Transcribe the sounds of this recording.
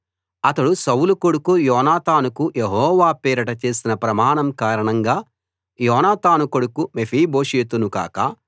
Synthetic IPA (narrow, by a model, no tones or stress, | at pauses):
ɐt̪ɐɽusɐwulukoɽukujɔːnaːt̪aːnukujeɦɔːʋaːpeːɾɐʈɐt͡ʃe̞ːsinɐpɾɐmaːɳɐmkaːɾɐɳɐŋɡaː | jɔːnaːt̪aːnukoɽukumepʰiːbo̞ːʂeːt̪unuka̰ːkɐ